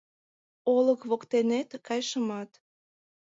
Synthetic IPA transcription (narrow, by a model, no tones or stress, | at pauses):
oləkβokt̪enet̪kɑjʃəmɑt̪